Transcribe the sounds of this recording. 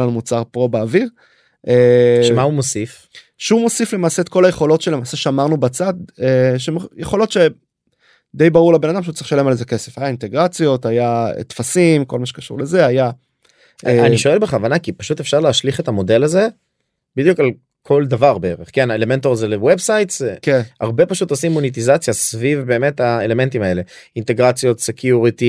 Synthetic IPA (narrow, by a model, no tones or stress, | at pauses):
lanumut͡saʁpo̞beːviʁ | ʔeʃmaumosif | ʃeumo̞sifle̞maːse̞ːt̪ko̞lajeχo̞lo̞tʃelemaːse̞ʃamaʁnubat͡sad̪eʃemjeχo̞lo̞t̪ʃe | d̪e̞jbaʁuʁlebe̞nad̪ampʃeut͡saʁiχʃale̞malezeke̞se̞̥fajainte̞ɡʁat͡sjo̞tajaḛtfasimko̞lmaʃe̥kaʃṵʁle̞ze̞aja | ʔeaniʃo̞e̞lbeχavanakipaʃut̪e̞fʃaʁleaʃliχetamo̞de̞laze̞ | bid̪jukal | kʰo̞ld̪avaʁbeeʁeχkenaelement̪oʁazelewebsajtzkena̰ʁbe̞paʃut̪osimːonit̬izat͡sjasvivbe̞ːme̞taele̞me̞ntimae̞le̞int̪e̞ɡʁat͡sjo̞t̪sekʰjuʁit̪i